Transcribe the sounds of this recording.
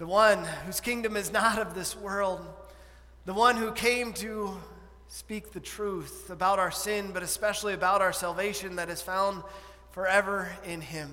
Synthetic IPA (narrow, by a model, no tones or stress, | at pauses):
ðəwʌ̃nhʉz̥kʰɪ̃ŋdɨ̃mɨznəɾʌvðɪswɜ˞lˠd̪̚ | ðəwʌ̃nhʉkʰẽɪ̃mtʰɨ | spik̚ðɨtʰɹ̥uθəbaʊɾaʊə˞sɪ̃nbʌɾɨspɛʃl̩ˠiɨbaʊɾaʊə˞sælˠveɪʃɨ̃nðɨɾɨz̥fãʊ̃nd̥ | fə˞ɛvə˞ɪ̃nɪ̃m